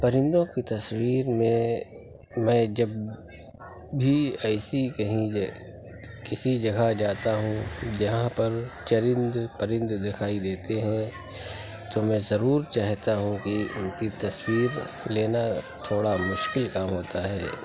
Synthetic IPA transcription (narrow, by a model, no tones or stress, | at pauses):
pɐɾɪ̃nd̪õkit̪ɐswiːɾmẽ | mɛ̃ːd͡ʒɐb | bʱiɛɪsikɐɦĩ | kɪsid͡ʒɐɡad͡ʒaːt̪aɦũd͡ʒɐɦãpɐɾt͡ʃɐɾɪ̃nd̪pɐɾɪ̃nd̪d̪ɪkʰaːid̪eːt̪eɦɛ̃ | t̪omɛ̃zɐɾuːɾt͡ʃaːɦt̪aɦũkiʊ̰mt̪it̪ɐswiːɾleːna | t̪ʰoːɽamʊʃkɪlkaːmɦoːt̪aɦɛː